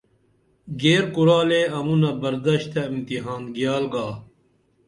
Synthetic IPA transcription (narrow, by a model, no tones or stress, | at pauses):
ɡeːɾkuɾaːleɐmunɐbɐɾd̪ɐɕt̪ɐimt̪iɦaːnɡijaːlɡaː